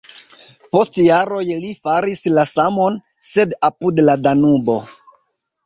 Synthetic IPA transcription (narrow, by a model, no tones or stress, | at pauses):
po̞stjaɾo̞jlifaɾislasamo̞n | se̞dapudladanubo̞